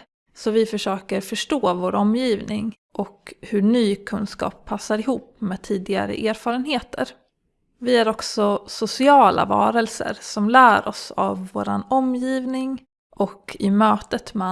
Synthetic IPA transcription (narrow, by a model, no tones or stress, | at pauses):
sɔvɪfœʂøːkəɾfœʂʈoːvoːɾɔmːjiːvnɪŋ | ʔɔkhɵɳyːkʰɵnskɑ̰ːpʰːasːaɾɪɦuːpmeːd̪̚t̪ʰiːd̪ɪɡa̰ɾə̰ʔeːɾfɑːɾənheːt̪ʰə̰ɾ | vɪæɾɔksɔsʊsɪɑːla̰vɑ̰ːɾəlsə̰ɾsɔmlæːɾɔ̰sa̰vːo̰ːɾa̰nɔmjiːvnɪŋ | ʔɔkʰɪmøːt̪ət̪mɛ